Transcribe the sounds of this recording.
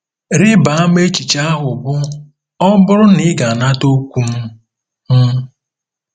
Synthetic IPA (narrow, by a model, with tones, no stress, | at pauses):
ɾɪ˦ba˨a˦m˦e˦t͡ʃi˨t͡ʃa˦a˦ɦʊ˨bʊ˦ | ɔ˦bʊ˦ɾʊ˦ni˦ɡa˨na˦to˦kʷu˦m̩˦ | m̩˦